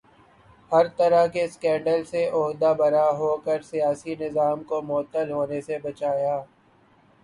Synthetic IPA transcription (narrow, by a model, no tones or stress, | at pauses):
hɐɾt̪ɐɾaɦkeskɛ̃ːɳɖəlseʔʊɦd̪abɐɾaɦoːkəɾsijaːsinɪzaːmkomɔːət̪ːəlɦoːnesebɐt͡ʃaːjaː